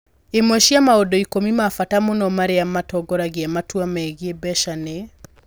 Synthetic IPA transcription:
emwɛʃiamaodɔikomimafatamonɔmaɾeamatɔɡɔɾaɣiamatwamaeɣiebɛʃane

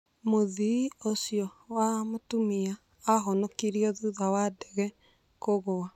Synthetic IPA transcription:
moðiosiɔwamotumiaː | ɦɔnɔkiɾiɔðuðawadɛɣɛ | koɣoa

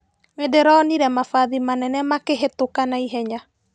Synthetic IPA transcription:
edeɾɔːniɾɛmafaðimanɛnɛamakeɦetokanaiɦɛɲa

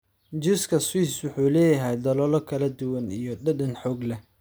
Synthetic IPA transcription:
d͡ʒʊskʰɐswiːswʊħuːlɛːjɐɦɛjd̪ɐlɔːlɔkʰɐlɐd̪ʊwɐnijɞɖɐɖɐnħɔːɡlɛ

